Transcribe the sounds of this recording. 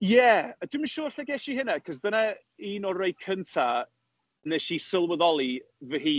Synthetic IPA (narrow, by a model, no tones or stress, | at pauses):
jɛədɪməʃuːrɬɛɡɛʃihɪnakʰɔzdəna | iːnɔrejkʰəntʰa | neʃisəlˠwəðɔlˠivəɦiː